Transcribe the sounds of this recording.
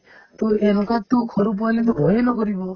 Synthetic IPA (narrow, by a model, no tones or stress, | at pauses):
t̪ũenɔkat̪ũkʰɔɾup̬ɔlet̪ubʱɔɦenɔkɔɾibɔ